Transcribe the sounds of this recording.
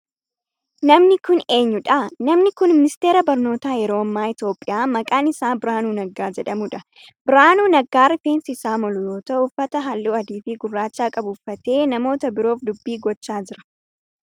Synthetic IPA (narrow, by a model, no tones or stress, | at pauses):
nɐmnɪkʊne̞ːɲːʊᶑɐnɐmnɪkʊnmɪnɪst̪e̞ːɾɐbɐɾno̞ːt̪aːjɛɾo̞ːɐmːaːɪt̪jo̞ːpʼːɪjaːmɐkʼaːnɪsaːbɪɾaːnuːnɐɡːaːd͡ʒɛᶑɐmʊᶑɐ | bɪɾaːnuːnɐɡaːɾɪfeːnsɪsaːmɔlʊjoːt̪ɐʊfːɐt̪ɐɦɐlːuːɐd̪iːfiːɡʊrːaːt͡ʃːaːkʼɐbʊfːɐt̪e̞ːnɐmo̞ːt̪ɐbɪɾo̞ːfd̪ʊbːiːɡɔt͡ʃːaːd͡ʒɪɾɐ̥